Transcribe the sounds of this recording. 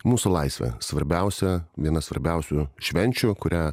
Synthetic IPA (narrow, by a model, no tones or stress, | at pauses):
muːsʊlˠɐɪsʲʋʲɛ̰sʋɐɾʲbʲɛʊsʲɛʋʲiɛnɐsʋɐ̰ɾʲbʲɛʊsʲʊʃʲʋʲɛnʲt͡ʃʲʊkʊɾʲæː